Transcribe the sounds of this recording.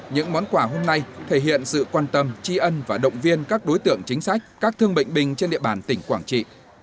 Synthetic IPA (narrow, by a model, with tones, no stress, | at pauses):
ɲɨ̰˧˥ŋmɔ˨˦nkwaː˧˩ɦo˧mna˧jt̪ʰe˧˩ɦḭ˧˨ənsɨ̰˧˨kwaː˧nt̪ə˧mt͡ɕi˧ʔə˧nvaː˨˩ɗə̰˧˨wŋ͡mvi˧ənkaː˦˥k̚ɗo˨˦jt̪ɨ̰˧˨əŋt͡ɕï˨˦ŋ̟sa˦˥jk̟̚kaː˦˥k̚t̪ʰɨ˧əŋɓḭ˧˨jŋ̟ɓï˨˩ŋ̟t͡ɕe˧nɗḭ˧əɓaː˧˩nt̪ï˧˩ŋ̟kwaː˧˩ŋt͡ɕḭ˧˨